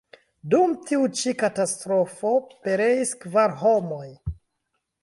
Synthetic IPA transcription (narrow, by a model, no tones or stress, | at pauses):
dumtiut͡ʃikatastɾo̞fo̞pe̞ɾe̞iskvaɾɦo̞mo̞j